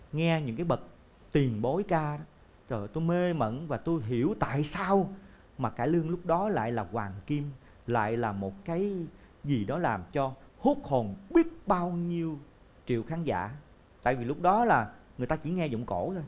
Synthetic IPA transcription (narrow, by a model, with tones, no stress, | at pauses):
ŋɛ˧ɲɨ̰˧˥ŋkaː˨˦jɓə˨˩t̚ | t̪wi˨˩ənɓo˨˦jkaː˧˦ | ɔ˨˩t̪u˧jme˧mə̰˧˨nvaː˨˩t̪u˧jɦi˧˩əwt̪a̰ː˧˨jsaː˧w | maː˨˩kaː˧˩jlɨ˧əŋlʊ˦˥k͡p̚ɗɔ˨˦la̰ː˧˨jlaː˨˩kwaː˨˩ŋki˧m | la̰ː˧˨jlaː˨˩mo˨˩t̚kaː˨˦j | zi˨˩ɗɔ˨˦laː˨˩mt͡ɕɔ˧hu˦˥k̚ho˨˩nɓi˦˥ət̚ɓaː˧wɲi˧əw | t͡ɕḭ˧˨əwxaː˨˦nza̰ː˧˥˨ | t̪a̰ː˧˨jvi˨˩lʊ˦˥k͡p̚ɗɔ˨˦laː˨˩ŋɨ˨˩əjt̪aː˧t͡ɕi˧˩˦ŋɛ˧zʊ̰˧˨ŋ͡mko˧˩˥t̪ʰo˧j